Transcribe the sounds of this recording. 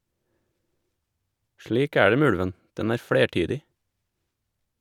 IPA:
ˈʃliːk ˈæː ˈɖeː ˈmeː ˈʉɽʋən ˈdɛn ˈæːɾ ˈfɽeːˌʈyːdɪ

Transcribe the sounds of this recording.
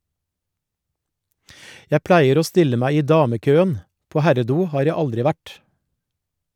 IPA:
ˈjæ ˈplæɪəɾ ˈoː ˈstɪlə ˈmæɪ ˈiː ˈdɑːməˌkøːən ˈpoː ˈhæɾəˌduː ˈhɑːɾ ˈjæ ˈɑldɾɪ ˈʋæʈ

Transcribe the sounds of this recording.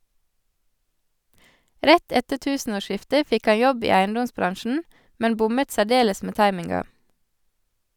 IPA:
ˈɾɛt ˈɛtə ˈtʉːsn̩oːˌʃɪftə ˈfɪk ˈɑ ˈjɔb ˈiː ˈæɪnˌdɔmsˌbɾɑnʃn̩ ˈmɛn ˈbʊmət sæˈɖeːləs ˈmeː ˈtɑɪmɪŋɡɑ

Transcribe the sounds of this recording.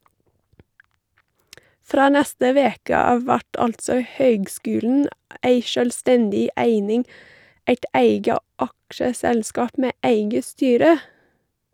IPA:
ˈfɾoː ˈnɛstə ˈʋeːkə ˈɑːʋ ˈʋæʈ ˈɑltsɔ ˈhøːɡˌskʉːln̩ ˈeɪ ʃœlˈstɛndɪ ˈæɪnɪŋ ˈæɪt ˈæɪɡə ˈʔɑkʃəˌsɛlˌskɑːp ˈmeː ˈæɪɡə ˈstyːɾə

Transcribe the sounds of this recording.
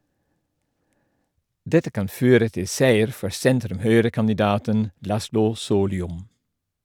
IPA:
ˈdɛtə ˈkɑn ˈføːɾə ˈtɪ ˈsæɪəɾ ˈfɔɾ ˈsɛntɾʉmˌhœʏɾəkɑnɪˌdɑːtən ˈlɑslʊ ˈsoːlʏʊm

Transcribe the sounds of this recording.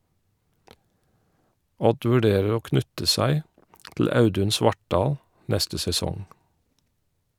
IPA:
ˈɔd ʋʉˈɖeːɹəɹ ˈoː ˈknʉtə ˈsæɪ tl̩ ˈɑʉdʉn ˈsʋɑʈˌɖɑːl ˈnɛstə sɛˈsɔŋ

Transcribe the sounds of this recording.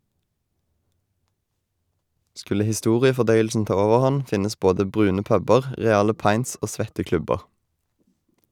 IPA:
ˈskʉlə hɪˈstuːʁɪəfɔˌdœʏəlsn̩ ˈtɑː ˈoːʋəʁˌhɑn ˈfɪnəs ˈboːdə ˈbʁʉːnə ˈpœbəʁ ˈʁeːɑlə ˈpɑɪnts ˈoː ˈsʋɛtə ˈklʉbəʁ

